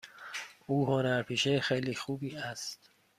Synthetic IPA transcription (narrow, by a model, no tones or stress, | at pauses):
uːɦonæɾpʰiːʃejxejliːxuːbiːæst̪